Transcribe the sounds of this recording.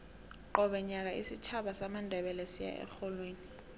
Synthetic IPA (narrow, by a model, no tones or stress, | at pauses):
ǃɔɓɛɲak̬aʔisit͡ʃʰaɓasamandʱɛɓɛlɛsija̰ʔɛ̰xɔlweːni